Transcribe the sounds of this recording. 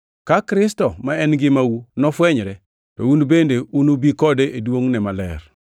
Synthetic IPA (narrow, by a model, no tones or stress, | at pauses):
kakɾɪstɔmaɛnɡɪmawunɔfwɛɲɾɛ | tɔunbendeunubikɔdeʔedwoŋnɛmalɛ̰ɾ